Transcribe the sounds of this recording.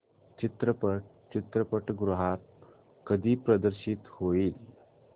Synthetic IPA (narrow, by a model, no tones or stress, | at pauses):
t͡ɕit̪ɾəpəʈ̚ | t͡ɕit̪ɾəpəʈɡɾuɦat̪̚ | kəd̪ʱiːpɾəd̪əɾɕit̪hoiːl